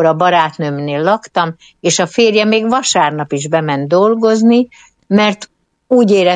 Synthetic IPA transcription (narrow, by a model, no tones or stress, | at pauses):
ɾɒbɒɾaːt̪nømneːlːɒkt̪ɒm | eːʃɒfeːrjɛmeːɡvɒʃaːrnɒpiʒbɛmɛnd̪d̪o̞lɡo̞zni | mɛrt̪ | uːɟeːɾɛ